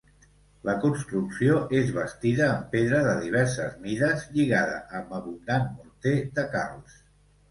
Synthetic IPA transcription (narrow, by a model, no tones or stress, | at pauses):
ləkunst̪ɾuksioʔezβəst̪iðəːmpeðɾəðəðiβ̞ɛɾsəzmiðəzʎiɣaðə̰ʔəmbəβund̪anmuɾt̪eðəka̰lˠs